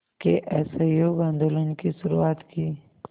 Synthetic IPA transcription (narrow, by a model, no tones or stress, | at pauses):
keʔɛːsejoːɡãːnd̪oːlənkisʊɾuaːt̪kiː